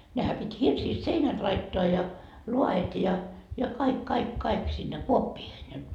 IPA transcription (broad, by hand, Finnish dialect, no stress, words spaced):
nehæ pitʲ hirsiːst seinæt lɑitːoɑ jɑ luɑet jɑ jɑ kɑik kɑik kɑik sinːe kuopːiːhen jɑ